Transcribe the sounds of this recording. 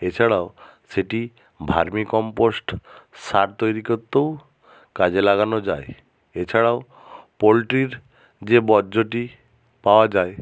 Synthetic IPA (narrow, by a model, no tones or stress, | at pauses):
et͡ʃʰaɽaoseʈi | bʱa̰ɾmikɔmposʈsaɾt̪ojɾikɔt̪ːow | kad͡ʒelaɡanɔd͡ʒae | et͡ʃʰaɽaʊ | polʈɾiɾ | d͡ʒebɔɾd͡ʒoʈi | paoad͡ʒae